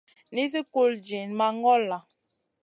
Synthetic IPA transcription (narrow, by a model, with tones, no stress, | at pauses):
ni˦z̬i˦ku˦˨ld͡ʒi˨nma˨ŋ˦ɡɔ˦la˨